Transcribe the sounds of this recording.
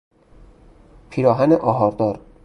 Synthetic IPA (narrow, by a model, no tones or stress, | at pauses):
pʰiːɾɒːɦæneʔɒːɦɒːɾd̪ɒːɾ